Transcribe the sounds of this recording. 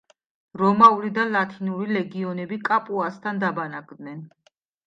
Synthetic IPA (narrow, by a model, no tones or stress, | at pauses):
ɾɔmauɾid̪alat̪ʰinuɾilɛɡiɔnɛbikʼapʼuast̪ʰand̪abanakʼd̪nɛn